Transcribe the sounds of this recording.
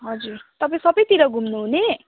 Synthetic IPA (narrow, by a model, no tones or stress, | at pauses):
ɦʌd͡zuɾt̪ʌpaĩsʌbʌjt̪iɾʌɡʱumnuɦune